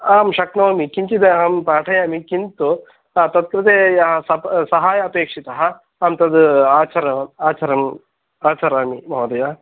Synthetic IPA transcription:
aːmʃɐknɐʋɐmikiɲt͡ʃid̪eaːmpaːʈʰɐjaːmikint̪u | at̪ɐt̪̚kɾɨt̪eːjɐɦɐsɐpsɐɦaːjɐːpeːkʂit̪ɐɦɐ̆ | aːmt̪ɐd̪uaːt͡ʃɐɾɐaːt͡ʃɐɾɐm | aːt͡ʃɐɾaːmimɐʋɐd̪ɐja

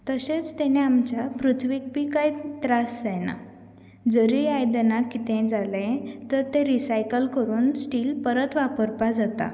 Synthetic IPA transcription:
t̪əsẽt͡st̪eɽ̃eamt͡ɕapɾut̪ʰʋik̚pikait̪ɾasd͡zajna̰ | d͡zəɾiajd̪ənakit̪ʰẽd͡zalẽt̪əɾt̪ẽɾisajkəlkəɾuːnsʈiːlpəɾət̪ʋapəɾpad͡zat̪a̰

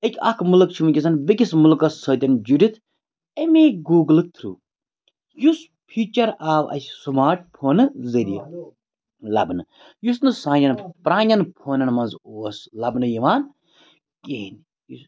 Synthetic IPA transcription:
ekʲɐ̰kʰmulɨk̚t͡ʃʰumɨkʲɐs̬ɐnbikʲismulkɐsːəːt̪ʲɐnd͡ʒuɾʲit̪ʰ | emeːɡuːɡlɨk̚t̪ʰɾṵː | jus | pʰiːt͡ʃɐɾaːʋʔɐ̰sʲsumaːɾʈ̚pʰoːnɨzɐɾijɐ | lɐbnɨ | jusnɨsaːjʲɐnpɾaːnʲɐnpʰoːnɐnmɐnzoːslɐbnɨjiʋaːn | keːn | jus

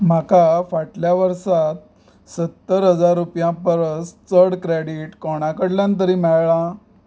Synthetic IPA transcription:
m̤akafaʈljaʋəɾsat̪̚ | sət̪ːəɾɦəd͡zaɾːupjãpəɾəst͡səɽkɾeɽiʈkɔɽ̃akəɽljãnt̪̬əɾiːmɛɭɭã

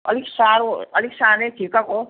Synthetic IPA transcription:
ʌ̰liksaɾoʌliksaːnetʰikako

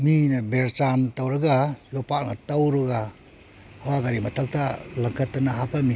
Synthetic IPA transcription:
minabeɾt͡ʃantawɾɯɡajɔpaʔna̰tawɾɯɡa | hawaɡaɾimatʰak̚talaŋkʰatːɯnaɦapami

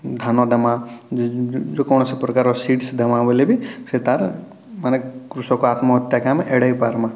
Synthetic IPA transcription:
d̪ʱanod̪ɐmã | d͡ʒokoːñosepɾɐkaɾosiːʈsd̪ɐmãʋəlebiset̪aɾ | mɐnekɾusokoaːt̪maət̪jakameʔeɽaipaɾmã

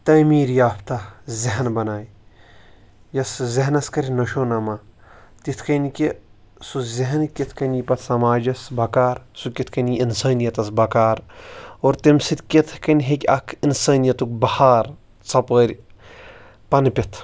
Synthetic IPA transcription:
t̪ɐmiːɾjaːpʰt̪ɐzeɦnbɐnaːj | jɐszeɦnɐskɐɾʲinoʃoːnɐmaːt̪it̪ʰkɐnikʲi | suzeɦɐnkʲit̪ʰkɐnipɐt̪ʰsɐmaːd͡ʒɐsbʱɐkaːɾsukʲit̪ʰkɐniinsɐːnijɐt̪ɐsbʱɐkaːɾoːɾt̪imsit̪kʲit̪ʰkɐnʲɦekʲɐ̰kʰinsɐːnijɐt̪uk̚bɐhaːɾ | t͡sɐpəːɾʲ | pɐnpʲit̪ʰ

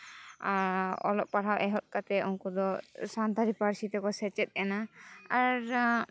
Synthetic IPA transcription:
ɔ̰lɔʔ̚paɽ̤awʔɛɦɔt̪̚ˀkat̪ɛʔunkud̪ɔsant̪aɾipaɾsit̪ɛkɔsɛt͡ʃɛt̪̚ˀɛnaaɾ

